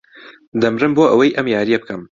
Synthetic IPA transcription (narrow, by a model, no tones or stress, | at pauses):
d̪ɐmrɨmboːʔɐwɐjʔɐmjaːɾijɐbɨkʰɐm